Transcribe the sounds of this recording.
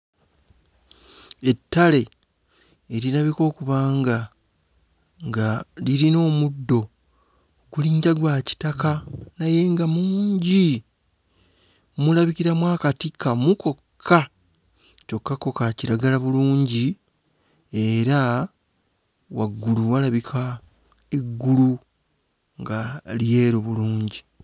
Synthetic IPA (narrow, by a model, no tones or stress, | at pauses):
e̞tːale̞ː | ɾiɾaβiko̞ːkuβaːŋɡa | ŋɡaliɾino̞ːmudːo̞ | ɡuliːɲɟaɡwaːci̥takanaje̞ŋɡamuːɲɟi | mulaβiciɾamwaːkatikːamuko̞kʰːa | co̞kːako̞kaciɾaɡalaβuluːɲɟi | e̞ɾa | waɡːuluwalaβikʰa | iɡːulu | ŋɡalije̞ːɾoβuluːɲɟi